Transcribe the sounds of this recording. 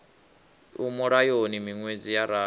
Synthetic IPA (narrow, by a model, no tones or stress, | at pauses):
umuɺajonimiŋwed͡zijaɾaː